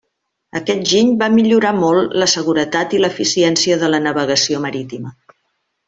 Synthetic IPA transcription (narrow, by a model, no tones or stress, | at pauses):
əkɛt̪̚ʒiɲbamiʎuɾamɔlˠləsəɣuɾət̪at̪iləfisiɛnsiəðələnəβəɣəsioməɾit̪imə